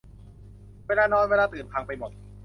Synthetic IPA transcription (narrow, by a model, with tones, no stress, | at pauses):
wɛː˥˩laː˧˥˩nɔː˦˥jwɛː˧˥laː˧˥t̪ɯː˨˩npʰaː˧ŋpa˧jmo˨˩t̪̚